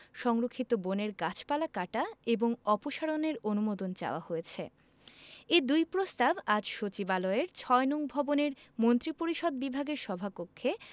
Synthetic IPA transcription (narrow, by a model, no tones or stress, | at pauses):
ʃɔŋɾokʰːit̪oboneɾɡat͡ɕʰpalakaʈaeboŋɔpoʃaɽoneɾonumod̪ond͡ʑa̰oahojet͡ɕʰḛ | ed̪ujpɾost̪abad͡ʑʃot͡ɕibaloeɾt͡ɕʰɔenuŋbʱɔboneɾ | mont̪ɾipoɾiʃɔd̪̚bibʱaɡeɾʃɔbʱapokʰːe